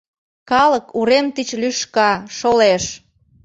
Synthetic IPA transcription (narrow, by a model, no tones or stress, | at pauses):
kɑləkuɾemt̪it͡ɕlyʃkɑʃoleʃ